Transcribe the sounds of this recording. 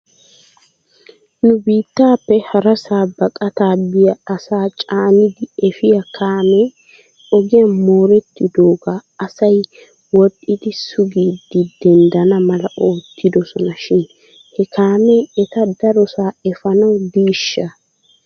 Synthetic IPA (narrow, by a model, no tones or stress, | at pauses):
nʊbiːt̪ːaːpːɛhɐɾɐsaːbɐkʼɐt̪aːbɪjɐɐsaːt͡ʃʼaːnɪd̪ɪɛfɪjɐkʰaːme | ɔɡɪjɐmo̞ːɾɛt̪ːɪd̪oːɡaɐsɐj | wɔtʼʔːɪd̪ɪsʊɡiːd̪ːɪd̪ɛnd̪ɐnɐmɐlɐʔo̞ːt̪ːɪd̪ɔsɔnɐʃɪn | hɛkʰaːmeːɛt̪ɐd̪ɐɾɔsaːɛfɐnɐwd̪iːʃːɐ